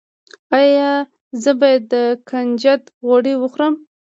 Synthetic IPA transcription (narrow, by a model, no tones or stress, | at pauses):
ɑjɑ | zəbɑjad̪ːəkand͡ʒat̪ɣoɽiwəxɾəm